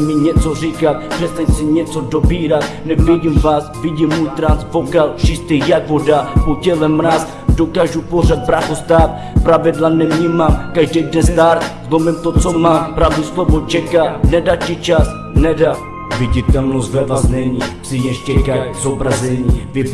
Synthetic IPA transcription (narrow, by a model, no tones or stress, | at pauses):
miɲɛt͡sɔrikat̪̚pr̥ɛst̪ajsiɲɛt͡sɔd̪ɔbiɾat̪nɛvɛɟimvasviɟimmujt̪ɾansvɔkalʃist̪ɛjakvɔdapɔcɛlɛmɾas | d̪ɔkaʒupɔrɛt̪̚bɾaxɔst̪at̪̚ | pɾavɛd̪lˠanɛmɲimamkaʒdɛd̪nɛst̪aɾzlˠɔmɛmt̪ɔt͡sɔmapɾavd̪uslˠɔvɔt͡ʃɛkanɛdacit͡ʃas | nɛda | viɟit̪ɛlnɔst̪vɛvaznɛɲipsijɛʃcɛkajzɔbɾazɛɲivi